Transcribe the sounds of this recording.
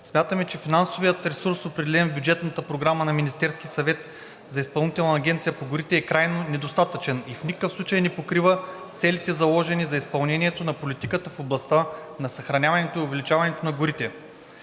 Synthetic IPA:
smʲat̪əmɛt͡ʃɛfinansovijət̪ɾɛsuɾsopɾɛd̪ɛlɛnbʲjud͡ʒɛt̪nət̪əpɾoɡɾamənɐminist̪ɛɾsk̟ʲisɐvɛt̪ | zɐispɐlˠnit̪ɛlˠnɐːɡʲɛnt̪sijəpoɡʊɾit̪ɛːkɾajnonɛd̪ost̪at̪ət͡ʃɛnifnʲikə̥kəfsˠut͡ʃəjnɛpokɾivət̪sɛlit̪ɛzɐlˠɔʒɛnizɐispɐlˠnɛniɛt̪onɐpolit̪ikət̪əfoblˠɐst̪anɐsɐxɾɐnʲavɐnɛt̪oiʊvɛlit͡ʃavɐnɛt̪onɐɡʊɾit̪ɛ

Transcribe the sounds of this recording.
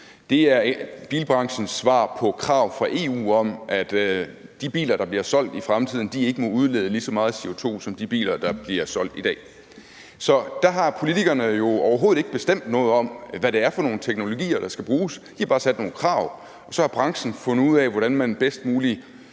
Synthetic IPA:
d̥e̝æɐb̥ḭːlb̥ʁɑ̈ŋɕn̩sʋɑ̰̈ːpʰɒ̽kʰʁɑ̈ʊfʁɑ̈ʔe̝ːṵːɒ̽mʔæd̥d̥ib̥ḭːlɐɾ̥ɑ̈b̥liɐsɒ̽l̰d̥ifʁamt͡sʰið̰ˠn̩d̥ie̝ɡ̥əmɒ̽uð̞ˠleːð̞̩ˠəlisɒ̽mɑ̈ːð̩ˠse̝o̝t͡sʰo̝̰ːsɒ̽md̥ib̥ḭːlɐd̥ɑ̈b̥liɐsɒ̽l̰d̥id̥ɛ̰ː | sɒ̽d̥æɦɑ̈pʰo̝lit͡sʰiɡ̥ɐnəjo̝ɒʊɐɦo̝ːð̩ˠe̝ɡ̥əb̥e̝sd̥em̰d̥nɔ̽ːð̞̩ˠɒ̽m̰ʋæɾe̝æɐfɒ̽no̝ːn̩t͡sʰeɡ̥no̝lo̝ɡ̥ḭːɐɾ̥ɑ̈sɡ̥æb̥ʁuːsd̥ihɑ̈bɑ̈ːsæd̥no̝ːn̩kʰʁɑ̈ʊ̰ | ɒ̽sɒ̽hɑ̈b̥ʁɑ̈ŋɕn̩fɔ̽n̩uð̞̰ˠɛʋɒɾænmænb̥esd̥muːli

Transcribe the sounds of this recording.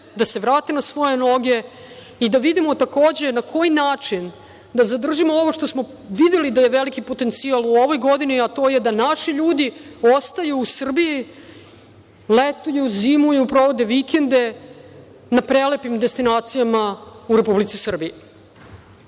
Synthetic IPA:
d̪ase̞ʋɾaːt̪enasʋo̞jeno̞ɡʲe̞ | id̪aʋid̪imo̞t̪akoːd͡ʑe̞nakʰo̞jinaːt͡ʂin | d̪azad̪r̩ʒimooʋoʂt̪o̞smo | ʋid̪e̞lid̪aje̞ʋelikipo̞t̪e̞nt̪sialˠuo̞ʋo̞jɡo̞d̪iniat̪o̞je̞d̪anaʃiʎuːd̪iost̪ajuːsr̩biji | let̪ujuziːmuiupɾo̞ʋod̪e̞ʋikend̪e̞ | napɾe̞lepimd̪e̞st̪inaːt̪sijamauɾe̞publit̪sisr̩bie

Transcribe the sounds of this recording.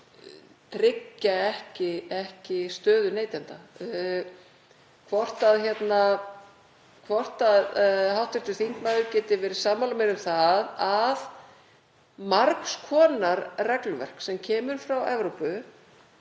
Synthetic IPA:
t̪ʰɾɪcːaɛhcɪɛhcɪst̪œːðʏneːjt̪ɛnt̪a | kʰvɔr̥t̪aðçjɛt̪na | kʰvɔr̥t̪aðɦawht̪ɪst̪ʏθiŋ̥kmaðʏɾcɛːt̪ɪvɛːɾɪsaːmalamɛɾʏmθaðað | maɾkskʰɔːnaɾrɛklʏvɛ̰r̥ksɛmcʰɛːmʏɾ̥fɾawɛvɾowpʏ

